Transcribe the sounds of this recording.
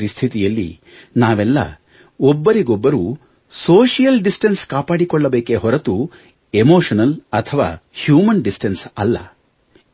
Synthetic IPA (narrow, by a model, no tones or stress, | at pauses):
ɾist̪ʰit̪ijɐlːḭ | naːʋɛlːɐ̰ | ɔbːɐɾiɡɔbːɐɾuː | soːʂijɐlɖisʈɐnskaːpaːɽikɔɭːɐbeːkeɦɔɾɐt̪u | emoːʂɐnɐlɐt̪ʰɐʋa̰ːhjuːmɐnɖisʈɐnsɐlːɐ̰